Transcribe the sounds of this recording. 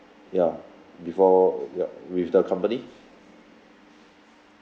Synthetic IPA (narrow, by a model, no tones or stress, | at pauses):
ja | bifɔja̰wifdəkʰãmpəni